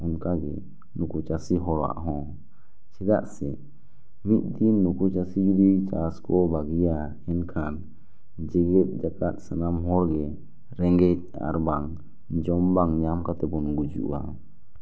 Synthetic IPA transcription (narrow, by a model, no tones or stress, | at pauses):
ɔnkaɡɛ̰ | nukut͡ʃasiɦɔɽa̰ʔɦɔ̃ | t͡ʃʰɛd̪a̰ʔsɛ | mit̪̚ˀd̪inːukut͡ʃasiɡiɾit͡ʃaskɔbaɡija | ɛnkʰan | d͡ʒɛɡɛt̪̚ˀd͡ʒakat̪̚ˀsanamɦɔɽɡɛ | ɾɛŋɡɛt̚ | a̰ɾbaŋ | d͡ʒɔmbaŋɲamkat̪ɛbɔnɡud͡ʒṵʔa